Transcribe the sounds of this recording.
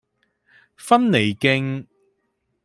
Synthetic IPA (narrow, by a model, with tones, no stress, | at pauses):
fɐ˥nne˨˩jkɪ˧ŋ